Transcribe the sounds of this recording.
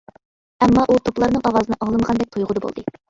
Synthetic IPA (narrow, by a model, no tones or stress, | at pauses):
ɛmːɑʔut̪ʰoplˠɑɾnɨŋɑwɑzɨnɨʔɑŋlˠɨməʁɑnd̪ɛk̚ʲt̪ʰojʁʊd̪ɨbo̰lˠd̪ɨ